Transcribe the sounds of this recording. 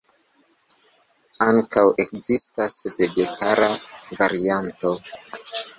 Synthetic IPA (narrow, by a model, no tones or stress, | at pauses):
aŋkawe̞kzistasve̞ɡe̞tʰaɾavaɾianto̞